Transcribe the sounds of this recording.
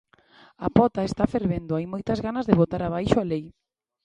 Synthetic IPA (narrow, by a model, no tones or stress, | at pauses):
apɔt̪aest̪afeɾβend̪ʊajmojt̪ɐzɣanɐzðeβot̪aɾaβ̞ajʃʊalej